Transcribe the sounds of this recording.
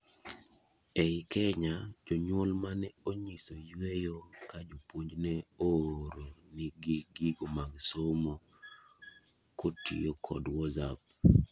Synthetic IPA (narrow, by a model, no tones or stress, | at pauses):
ɛkɛɲad͡ʒoɲwolmanɛoɲisojwejokad͡ʒopwoɲd͡ʒnɛoɾonɪɡiɡiɡomaɡsomo | kotḭjokʰɔ̰dwɔzap̚